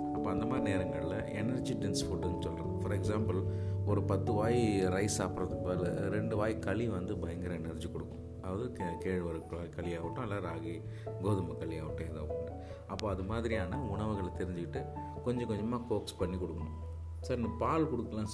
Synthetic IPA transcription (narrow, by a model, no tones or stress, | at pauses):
ɐpːoːɐnd̪ɐmaːɾineːɾɐŋɡɐɭɪlɐʔɛnɐɾd͡ʒiʈɪnsfuʈːɐnːɯsɔlːɾɐ̰̃fɐɾɛksaːmpɐlɔɾɯpɐt̪ːɯʋaːjɾɐɪsaːpɾɐðɯbɐlɾɛɳɖɯʋaːjkɐɭiʋɐnd̪ɯbɐjɐŋɡɪɾɐɛnɐɾd͡ʒikɔɽɯkːʊ̃ | ɐʋɐðɯkeːɻʋɐɾɯkːaːkɐɭiaːʋɯʈːʊ̃ɐlːaɾaːɣi | ɡoːðɐmɐkːɐɭiaːʋɪʈːʊ̃ɛðãːʋkːɐɳɖɐ | ɐpːoːɐðɯmaːðɪɾijaːnɐʊɳɐʋɯɣɐɭt̪ɛɾɪɲd͡ʒɪkːɪʈːɯ | kɔɲd͡ʒɐ̃kɔɲd͡ʒɐmaːkoːkspɐɳːikɔɽɯkːɐɳʊ̃ | saɾnɐpaːlkɔɽɯkːɐlãː